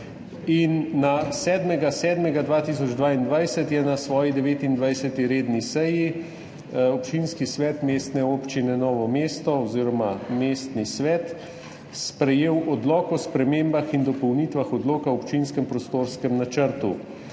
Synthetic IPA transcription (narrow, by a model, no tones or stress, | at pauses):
inːasɛːd̪mɛɡasɛːd̪mɛɡad̪ʋaːt̪isɔd͡ʒd̪ʋaːind̪ʋajsɛt̪jɛnasʋɔːjid̪ɛʋeːt̪ind̪ʋajsɛt̪iɾeːd̪nisɛji | ɔpt͡ʃinskisʋɛːt̪meːst̪nɛoːpt͡ʃinɛnɔːʋɔmeːst̪ɔɔziːɾɔmameːst̪nisʋɛːt̪ | spɾɛjeːwʔɔd̪lɔːkɔspɾɛmeːmbaxind̪ɔpɔwnit̪ʋaxɔd̪lɔːkawɔpt͡ʃinskɛmpɾɔst̪oːɾskɛmnat͡ʃəɾt̪u